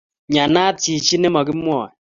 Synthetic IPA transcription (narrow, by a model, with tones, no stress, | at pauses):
ɲa˨na˦ti˨t͡ʃi˦nɛ˦mɔ˨kɪ˦mwɔː˦˨ɛ˨